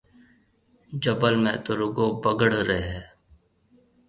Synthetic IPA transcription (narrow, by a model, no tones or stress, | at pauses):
d͡ʒəbəlmẽːt̪oɾʊɡoːbəɡəɽ̤ɾeɦɛː